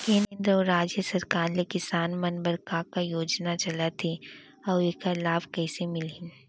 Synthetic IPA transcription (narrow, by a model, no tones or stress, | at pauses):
kẽːnːnd̪ɾəɔːɾːaːd͡ʒjəsɐɾkaːɾlekɪsaːnmɐnbəɾkakajoːd͡ʒnat͡ʃɐlat̪ʰe | ɔːekalaːbkɛːsemɪlɪ̃